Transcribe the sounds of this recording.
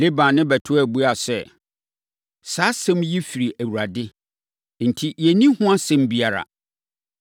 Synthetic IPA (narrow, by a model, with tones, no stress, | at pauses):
le˦bã˨nɪ̃˦bɛ˨tʰʊ˦æ˨bu˦a˨sɛ˦ | saː˦sɛ̃˦mji˦fi˨ɾi˨ʔæ˨wu˨ɾa˨dɪ˦ | n̩˨tʰi˦jɛ˨nĩ˦hʊ̃˦a˦sɛ̃˦mbi˨˦a˨ɾa̰˨